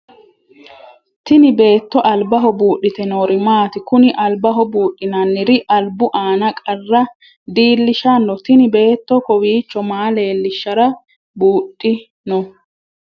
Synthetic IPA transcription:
t̪ɪnɪbe̞ːt̪ːɔʔɐlbɐɦɔbuːʔːɪt̪ɛnoːɾɪmaːt̪ɪkʊnɪʔɐlbɐɦɔbuːɗːɪnɐnːɪɾɪʔɐlbʊʔaːnɐkʼɐrːɐ | d̪iːlːɪʃɐnːɔt̪ɪnɪbe̞ːt̪ːɔkɔwiːt͡ʃːɔmaːle̞ːlːɪʃːɐɾɐ | buːɗːɪ | nɔ

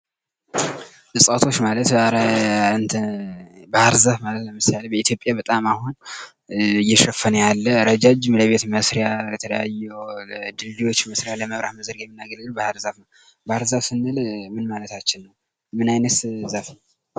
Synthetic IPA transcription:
əsʼat̪ʰo̞t͡ʃːmalət̪ɾɨnt̪ʰəbəhaɾzafmalət̪ləmɨsalbəit̪jo̞pʼjabət̪ʼamahun | ɨjːɛʃəfənəjalːəɾəd͡ʒad͡ʒmləβe̞t̪məsɾjajɛt̪ʰələjajːɛwd̪ɨlːiwo̞t͡ʃːməsɾjaləməβɾahməzəɾkjɛmːinːaɡəlɨlubəhaɾzafnəw | bəhaɾzasɨnːɨlmɨnmalət̪ʰat͡ʃːɪnːəw | mɨnajnəszaf

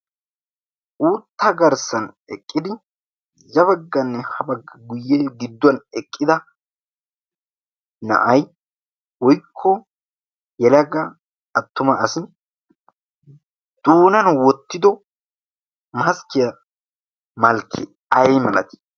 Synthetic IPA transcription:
ʔuːt̪ːɐɡɐɾsɐn | ɛkʼːɪd̪ɪ | zɐbɐɡːɐnːɛhɐbɐɡːɐɡʊjːeɡɪd̪ːwɐnɛkʼːɪd̪ɐ | nɐ̰ʔɐj | wɔjkʰːɔ | jɛlɐɡɐ | ɐt̪ːʊmɐɐsɪn | d̪̥uːnɐnwɔt̪ːɪd̪ɔ | mɐskɪjɐ | mɐlkʰːɪ | ɐjmɐlɐ̰t̪ɪ̥

